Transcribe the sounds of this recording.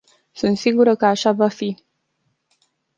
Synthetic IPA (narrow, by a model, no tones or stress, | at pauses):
sunt̪siɡuɾəkəaʃavafi